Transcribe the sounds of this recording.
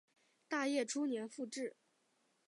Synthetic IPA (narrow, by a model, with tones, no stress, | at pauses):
t̪a˥˧jɛ˥˩ʈ͡ʂʰu˥njɛ˧˥nfu˥˧ʈ͡ʂɻ̩˥˩